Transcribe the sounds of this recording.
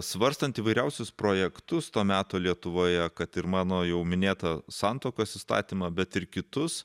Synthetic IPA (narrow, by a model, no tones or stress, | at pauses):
sʋɐɾst̪ɐnt̪iːʋɐɪɾʲɛʊsʲʊspɾoːjɛkt̪ʊst̪oːmʲæːt̪oːlʲiɛt̪ʊʋoːjɛkɐt̪ɪɾmɑːnoːjɛʊmʲɪnʲeːt̪ɐsɑnt̪oːkoːsiːst̪ɑ̰ːt̪ʲiːmɑbʲɛt̪ɪɾkʲɪt̪ʊss